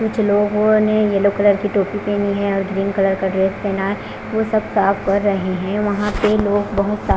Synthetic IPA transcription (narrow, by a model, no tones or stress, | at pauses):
kʊt͡ʃʰloːɡõnejɛlokɐləɾkiʈoːpipeːniɦɛ̃ɔːɾɡɾiːnkɐləɾkɐɾeːsseːnaː | ʋosɐbsaːfkɐɾːɐɦeɦɛ̃ʋɐɦãpeloːɡbɐɦʊt̪sa